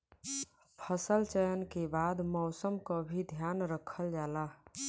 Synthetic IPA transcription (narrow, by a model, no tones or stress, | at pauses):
pʰəsəlt͡ʃəjənkebaːd̪mɔʊsəmkobʱid̪ʱjaːnɾəkʰəld͡ʒaːlaː